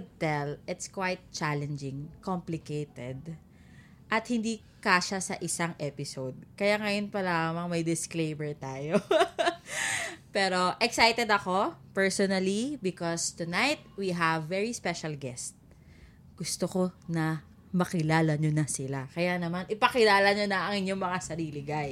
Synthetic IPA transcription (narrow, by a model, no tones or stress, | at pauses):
d̪̚t̪ɛlɪt̪skwajt̪̚t͡ʃalɛnd͡ʒɪŋkomplɪkejt̪ɛd̪̚ | ʔɐt̪̚hɪnd̪iː | kaʃasɐʔɪsaŋʔɛpɪsowd̪̚kɐjaŋɐjonpɐlamɐŋmɐjd̪ɪsklejmɛɹt̪aːjo | pɛːɾo̞ʔɛksajt̪ɛd̪ɐko̞pɛɹsonɐlibɪkɔst̪ʊnajt̪̚wiɦɐvːɛɹispɛʃɐlɡɛst̪̚ | ɡ̥ʊst̪oko̞nɐ | mɐkɪlaːlɐɲonɐsɪlakɐjanɐmanʔɪpɐkɪlaːlɐɲonɐʔɐŋɪɲoŋmɐŋasɐɾiːlɪɡaj